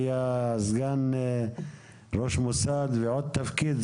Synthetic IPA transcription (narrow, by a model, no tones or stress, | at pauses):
jazɡan | ɾoʃmusad̪veʕod̪̚t̪afkid̪